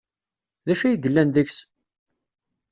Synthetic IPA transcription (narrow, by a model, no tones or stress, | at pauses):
ðæʃæjəɡəlːænðəçs